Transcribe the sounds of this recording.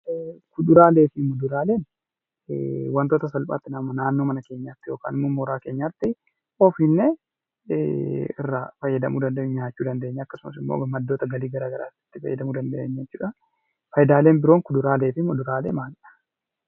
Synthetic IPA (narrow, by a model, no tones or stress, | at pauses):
kʊd̪ʊɾaːle̞ːfɪmʊd̪ʊɾaːle̞ːn | wɐnt̪oːt̪ɐsɐlpʼa̰ːt̪ːɪnɐmːɐnaːnːo̞ːmɐnɐke̞ːɲːaːt̪ːɪjo̞ːka̰ːnɪmːoːmːoɾaːke̞ːɲːaːt̪ːɪ | ɔːfɪnːe | ɪ̰rːafɐjːɐd̪ɐmuːd̪ɐnd̪ɐɲːaːt͡ʃːuːd̪ɐnd̪eːɲːɛɐkːɐsʊmɐsɪmːo̰ːmɐd̪ːo̞ːt̪ɐɡɐliːɡɐɾaːɡɐɾaːtːɪ̥t̪ːɪfɐ̰jːɐ̰d̪ɐmuːd̪ɐnd̪ɐʔeɲːɐt͡ʃɪᶑɐ | fɐjd̪aːle̞ːnbɪɾo̞ːŋkʊd̪ʊɾaːle̞ːfɪmʊd̪ʊɾaːlḛːmaːlᶑɐ̥